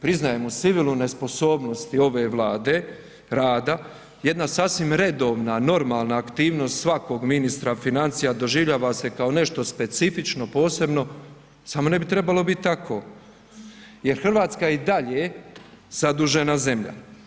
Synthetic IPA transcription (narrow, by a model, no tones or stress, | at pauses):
pɾiznaje̞mut̪siʋilˠune̞spo̞so̞ːbno̞st̪io̞ʋe̞ːʋlaːd̪e | ɾaːd̪a | je̞d̪nasaːsʋimɾe̞d̪o̞ːʋnano̞ɾmaːlˠnaːkt̪iːʋno̞st̪sʋako̞ːɡminist̪ɾafinant̪sijad̪o̞ʒiʋʎaːʋase̞kaone̞ʃt̪o̞spe̞t̪sifit͡ʃno̞po̞ːse̞bno̞ | samo̞ne̞bit̪ɾe̞balo̞bit̪̚t̪ːakʰo̞ː | je̞ɾxr̩ʋaːt̪skajeid̪aʎe | z̥ad̪uʒe̞naze̞mʎa̰